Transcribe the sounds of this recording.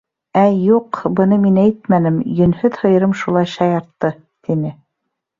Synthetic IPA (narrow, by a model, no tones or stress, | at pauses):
æjuqbɤ̆nɤminæjt̪̚mænɘmjɵ̆nhɵðhɤ̆jɤ̆ɾɤmʃulˠɑjʃɑjɑɾt̪ːɤ | t̪inɘ